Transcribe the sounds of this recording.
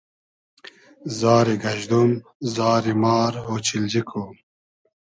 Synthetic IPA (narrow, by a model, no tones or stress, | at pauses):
zaːɾiɡɐʑd̪umzɑːɾimɑːɾɦoːt͡ɕild͡ʑikʰo